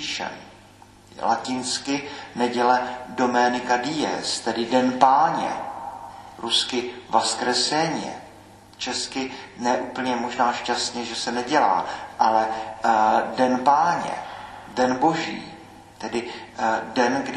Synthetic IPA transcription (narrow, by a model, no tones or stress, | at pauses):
iʃɛ̰m | la̰cɪnskɪnɛɟɛlɛdo̞mɛnɪkadɪjɛ̰st̪ɛdɪdɛnpaːɲɛ̰ | ɾuskɪvaskɾɛsɛɲɛ̰ | t͡ʃɛskɪnɛʔuːpl̩ɲɛmo̞ʒnaːʃcast̪ɲɛʒɛsɛnɛɟɛla̰ːʔalɛ | dɛnpaːɲɛ̰dɛnbo̞ʒḭː | t̪ɛdɪdɛnɡd